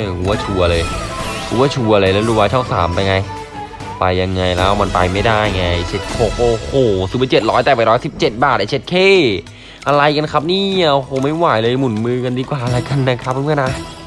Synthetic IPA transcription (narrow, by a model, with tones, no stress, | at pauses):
huː˨˦waː˥˩t͡ɕʰuː˧ʔa˧lɤː˧jhuː˧˦waː˥˩t͡ɕʰuː˧˩ʔa˧laː˧lɛː˦˥duː˧waː˧t͡ɕʰɔ˥˩wsa̰ː˩˦mpa˧jŋa˧j | pa˧jːa˧ŋːa˧jlɛː˦˥wma˧npa̰˧jma˥˩jdaː˥˩jŋa˧jt͡ɕʰe˦˥t̪̚kʰo˨˧˩k̚ʔoː˧˩hoː˨˩si˨˦˧t͡ɕe˨˩t̪̚ɾɔː˦˥jt̪ɛː˨˩a˧˨˩ɾɔː˦˥jsi˨˩p̚t͡ɕe˨˩t̪̚baː˨˩t̪̚ʔa˧˩t͡ɕʰe˦˥t̪̚kʰeː˥˩ | ʔa˧ɾa˧jka˧nkʰa˦˥p̚niː˥˩ʔa˧hoː˨˩ma˥˩jwaː˨˩˦jlɤː˧mu˨˩˦nmɯː˧ka˧ndiː˧kwaː˨˩ʔa˧la˧˩jka˧nːa˦˥kʰa˦˥p̚ʰːm˥˧˨nʔa˧˥˩